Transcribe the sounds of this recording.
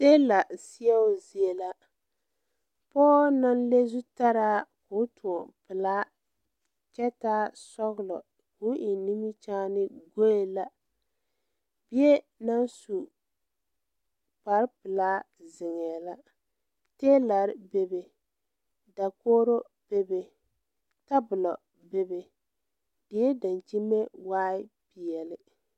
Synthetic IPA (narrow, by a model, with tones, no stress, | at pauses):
se˦la˨si˦a˦zi˨e˨la˦ | pɔː˦na˦nle˦zu˦ta˦ɾaː˦kʊ˨˦tʰʊ˨pɨ˨laː˦ | t͡ʃɛ˦taː˦sɔ˦ɣlɔ˨ | ku˦ʔɪ˨ni˦mi˦t͡ʃaː˦nɪ˦ɡo˦je˦la˦ | bɪ˦e˦ | na˦nsu˨ | pa˨ɾpɪ˨laː˦ | zɪ˨ŋɛː˨la˦ | teː˦la˨ɾbe˨be˨ | da˨koː˦ɾo˦ | b̥e˦be˨ | ta˦bʊ˨lɔ˨ | be˨be˨ | dɪ˨˦ɛ˦da˨nt͡ʃi˦me˦waː˦ɪ˦pɪ˨ɛ˨lɪ˦